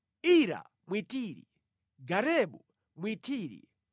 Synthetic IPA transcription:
iɾa̰ | mwitiːɾḭ | ɡaɾɛɓu | mwitʰiːɾḭ

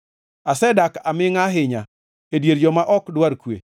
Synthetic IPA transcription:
asɛdakamɪŋaɦɪɲa | edjeɾd͡ʒɔmaʔɔkdwaɾkwḛ

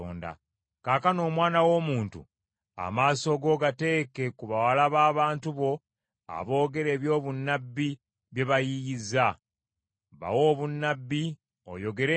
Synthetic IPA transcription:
o̰ːnda̰ | kaːkano̞ːmwaːnawo̞ːmuːntṵ | a̰maːso̞ɡo̞ːɡate̞ːke̞kuβawalaβaːβaːntuβo̞ | a̰βo̞ːɡe̞ɾe̞ːβjo̞ːβunːabːi | βje̞βajijiza | βa̰wo̞ːβunːabːi | o̰jo̞ɡe̞ɾe

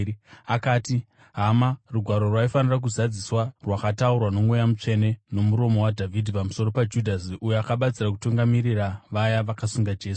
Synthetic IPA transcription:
akaːti | ɦamaruɡʱwaɾo̞rwaifanirak̬uzad͡ziswarwakataurwano̞mwejamut͡ʂe̞ne̞no̞muɾo̞mo̞wadʱavʱidʱipamuso̞ɾo̞pad͡ʒudʱasujoakaɓat͡sirakutuŋɡamiriraʋajaʋakasuŋɡad͡ʒe̞ːsu̥

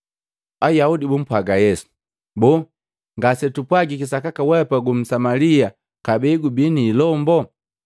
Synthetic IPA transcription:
ajaudibum̩pwaɡajɛsu̥ | bɔ | ŋɡasɛtupwaɡikisakakawɛpaɡum̩samalia | kabɛɡubiniːlɔmbɔ

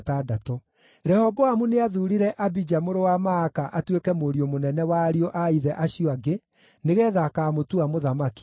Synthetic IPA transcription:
tadatɔ | ɾɛhɔbɔamuneaðuɾiɾɛʔabid͡ʒamoɾowamaːkaʔatwekɛmoɾiomonɛnɛwaːɾioʔaiðɛʔaɕioaɡe | neɣɛːðakamotuamoðamaki̥

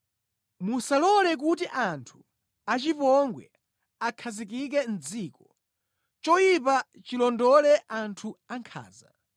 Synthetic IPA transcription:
musalɔlɛk̬utiʔantʰu̥ | at͡ʃipɔŋɡwɛ̰ | akʰazikik̬ɛn̩d͡ziːkɔ | t͡ʃɔjipa | t͡ʃilɔndɔlɛʔantʰuaŋkʰa̰ːza

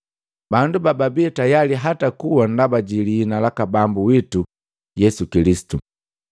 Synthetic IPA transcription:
bandubababiɛtajaliɦatakuwandabaɟiliːnalakabambuwitu | jɛsukilisi̥tu

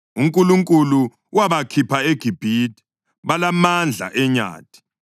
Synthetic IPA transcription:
uŋkʼuluŋkʼulu | waβakʰipʰaeɡ̥ʱib̥ʱiːtʰʼi̥ | βalamand͡ɮʱa̰ʔɛɲa̰ːti̥

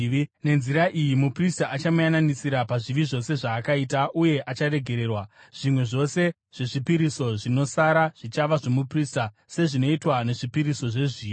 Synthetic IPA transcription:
ne̞nziɾaʔijimupristaʔat͡ʃamujananisiɾapaʐiʋiʐo̞se̞ʐaːkaitaʔuje̞ʔat͡ʃare̞ɡʱe̞ɾe̞ːrwa | ʐ̥imwe̞ʐo̞se̞ | ʐ̥e̞ʐipiɾiso̞ʐino̞saɾaʐ̥it͡ʃaʋaʐo̞muprista | se̞ʐino̞itwane̞ʐipiɾiso̞ʐeʐiːo

